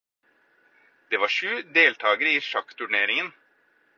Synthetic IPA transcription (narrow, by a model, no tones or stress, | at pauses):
d̪ɛːʋɑːʂʉːd̪eːlt̪ʰɑːɡəɾəiːʂɑkt̪ʰʉɳeːɾɪŋən